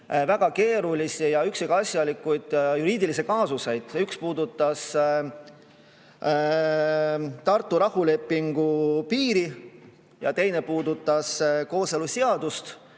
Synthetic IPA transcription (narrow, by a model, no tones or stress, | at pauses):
væɡ̥ɑke̞ːɾulisijɑyksikɑsjɑlikːujd̪̥juɾiːd̪ilis̬ekɑːsuse̞jd̪̥ykspuːd̪ut̪ːˑɑs | t̪ɑrt̪ːˑuɾɑhule̞pːiŋɡ̥upiːɾi | jɑ̰t̪e̞jne̞puːd̪ut̪ːˑɑsko̞ːseluseɑd̪̥ust̪